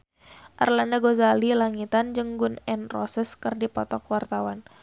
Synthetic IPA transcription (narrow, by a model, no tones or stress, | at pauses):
ʔa̰rlandaɡozalilaŋit̪and͡ʒɨŋɡʊnɛnrɔsəskərdipɔt̪ɔkwart̪awan